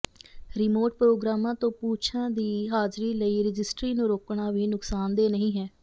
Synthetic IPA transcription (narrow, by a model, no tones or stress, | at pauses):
ɾɪmoːɾʈ̚pɾoːɡɾaːmãːt̪õːpuːt͡ʃʰãːd̪iːɦaːd͡ʒɾiːləiːɾɪd͡ʒɪsʈɾiːnũːɾoːkɳaːʋiːnʊksaːnd̪eːnəɦĩːɦɛː